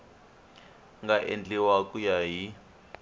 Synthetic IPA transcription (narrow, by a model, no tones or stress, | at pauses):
ŋɡaʔḛnd͡ɮɛwakujaɦi